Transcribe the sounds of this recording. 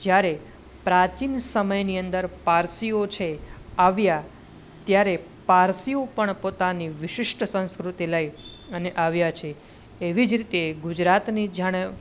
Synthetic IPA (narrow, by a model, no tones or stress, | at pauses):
d͡ʒjaɾe | pɾat͡ʃinsəməjniənd̪əɾpaɾsiot͡ʃʰeaʋja | t̪jaɾe | paɾsiopəɳpot̪aniʋɪʃɪʃʈsə̃nskɾut̪iləj | əneʔaʋjat͡ʃʰeː | ʋid͡ʒɾit̪eɡud͡ʒɾat̪nid͡ʒaɽ̃e